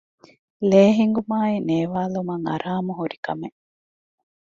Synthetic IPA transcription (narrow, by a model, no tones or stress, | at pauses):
leːɦiŋɡumaːineːʋaːlumɐŋɐ̰ɾʔaːmuɦuɾikɐme